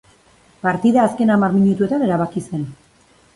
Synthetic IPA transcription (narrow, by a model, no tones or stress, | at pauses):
paɾt̪iðaːske̞namaɾmiɲut̪ue̞t̪ane̞ɾaβ̞akise̞n